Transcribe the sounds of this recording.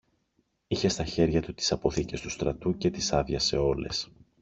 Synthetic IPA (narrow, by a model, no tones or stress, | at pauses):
içe̞st̪ɐçe̞ɾʝɐt̪ut̪i̥sɐpo̞θice̞st̪u̥st̪ɾɐt̪uce̞t̪isɐðjɐse̞o̞le̞̰s